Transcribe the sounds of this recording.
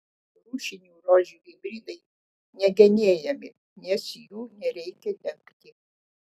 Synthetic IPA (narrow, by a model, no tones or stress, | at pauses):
ɾuːʃʲɪnʲuːɾoːʒʲuʋiɪbʲɾʲiːd̪ɐɪ | nʲɛɡʲɛnʲeːjɛmʲɪ | nʲɛsjuːnʲɛɾʲɛɪkʲɛlʲɛŋkt̪ʲɪ